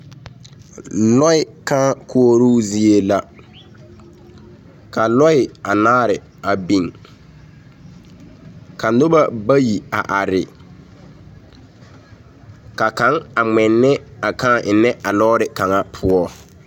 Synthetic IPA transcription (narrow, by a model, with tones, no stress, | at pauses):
lɔ˦ɪ˨kaː˦kʰu˦o˦ɾuː˦zi˦e˦la˦ | ka˨lɔ˦ɪ˨a˨naː˦ɾɪ˨ | a˨bi˨ŋ | ka˨n̩˦do˦ba˦ba˦ji˨a̰˨ʔa˨ɾɪ˨ | ka˨ka˨˦ŋa˨ŋ͡mɛ˨nːɛ˦a˨kã˦˨ʔɪ˨nːɛ˦ʔa˨lɔː˦ɾɪ˨ka˨ŋa˦pʰʊ˦ɔ˦